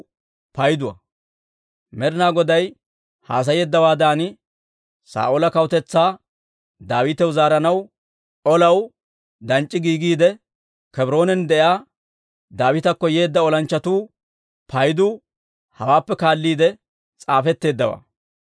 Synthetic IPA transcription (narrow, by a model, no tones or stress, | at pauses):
pɐjd̪ʊwɐ̰ | mɛɾnaːɡɔd̪ɐj | ha̰ːs̬ɐjeːd̪ːɐwaːd̪aːnɪ | sa̰ːʔoːlɐkɐwt̪ɛt͡sːaː | d̪aːwɪt̪ɛwzaːɾɐnɐw | ʔɔlɐw | d̪ɐnt͡ʃʼːɪɡiːɡiːd̪ɛ | kɛbɪɾo̞ːnɛnd̪ɛjaː | d̪aːwɪt̪ɐkːɔje̞ːd̪ːɐɔlɐnt͡ʃːɐt̪uː | pʰɐjd̪uː | hɐwaːpːɛkaːlːiːd̪ɛ | t͡sʼaːfɛt̪ːe̞ːd̪ːɐwa̰ː